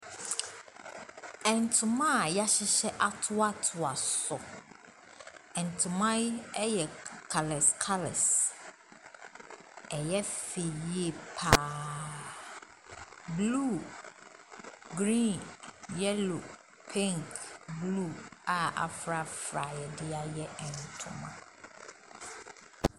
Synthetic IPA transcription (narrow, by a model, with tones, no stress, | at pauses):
ɛ̃˨ntʰʊ˨mã˦˨ja˦ɕɪ˦ɕɛ˦ʔa˦tʰʊ˦a˦tʰʊ˨a˨sɔ˨ | ɛ̃˨n˨tʰʊ̃˨mã˦ɛ˦jɛ˨kʰa˨lɛ˨skʰa˦lɛ̰˨s | ɛ˨jɛ˦fe˨je˨pʰa˨ | bluː˦˨ | ɡɾĩː˦˨njɛ˦lo˨ | pʰɛ̃˦ŋkblu˦˨a˨a̰˨fɾa˨fɾa˨jɛ˨dɪ˦a˦jɛ˦ɛ˨n˨tʰʊ̰̃˨mã˦